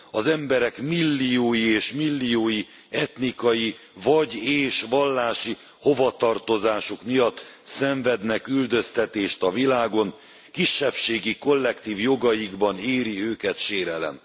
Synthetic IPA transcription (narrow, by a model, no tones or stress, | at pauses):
ɒzɛmbɛɾɛkmilːijoːjieːʃmilːijoːji | ɛt̪nikɒji | vɒɟeːʃʋɒlːaːʃi | ho̞vɒt̪ɒrt̪o̞zaːʃukmijɒt̪ːsɛɱvɛd̪nɛkyld̪ø̞st̪ɛt̪eːʃt̪ɒvilaːɡo̞n | kiʃːɛpʃeːɡiko̞lːɛkt̪iːvjo̞ɡɒjiɡbɒneːɾiøːkɛt̪ʃeːɾɛlɛ̰n